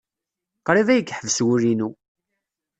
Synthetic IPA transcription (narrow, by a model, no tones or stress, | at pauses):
qɾˤivæjəɡħəvswuɾinu